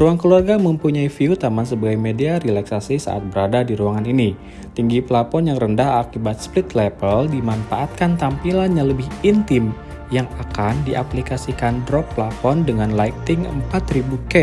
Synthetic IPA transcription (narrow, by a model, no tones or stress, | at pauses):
ruaŋkəluarɡaməmpuɲaifiut̪amansəbaɡajmediaɾilaksasisa̰ʔa̰t̪̚bəɾadadiɾuaŋanini | t̪iŋɡipəlapɔnjaŋrəndaɦakibat̪̚splɪt̪lɛpəldimanfaʔat̪̚kant̪ampilanɲaləbɪhint̪ɪm | jaŋakandiʔaplikasikandɾɔk̚pəlafɔndəŋanlajk̚t̪ɪŋə̰mpat̪ribukɛ